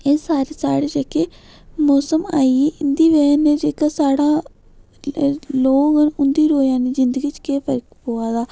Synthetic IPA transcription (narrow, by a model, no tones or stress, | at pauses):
eːsaːɾeːsaːɽeːd͡ʒekeː | moːsəma̰ːiɪnd̪iːʋɛːneːd͡ʒeːkaːsaːɽaː | loːɡənʊnd̪iːɾoːjaːniːzɪnd̪əɡiːt͡ʃkeːpʰəɾkpoːaːd̪aː